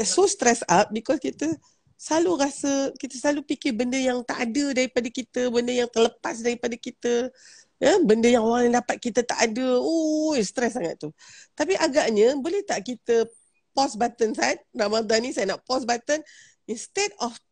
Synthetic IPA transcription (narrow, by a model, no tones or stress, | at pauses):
sost̪ɾɛsap̚bikɔskit̪ə | slaluɾasəkit̪əslalupikɪbəndəjaŋt̪aʔadədaɾipadəkit̪əbəndəjaŋt̪ərləpas̬daɾipadəkit̪ə | jəbəndəjaŋoɾaŋdapat̪̚kit̪ət̪a̰ʔadəoist̪ɾɛs̬ːaŋa̰t̪̚t̪ːut̪apiʔaɡaʔɲə̃bolɛht̪aʔkit̪ə | pɔsbat̪ənsat̪̚ramad̪anĩsajənaʔpɔsbat̪ən | inst̪edɔf